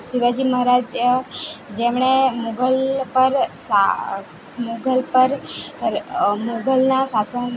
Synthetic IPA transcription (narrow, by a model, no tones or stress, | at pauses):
ʃiʋad͡ʒiməɦɾad͡ʒ | d͡ʒemɳemuɡəlpəɾsa | muɡəlpəɾ | moɡəlnasasən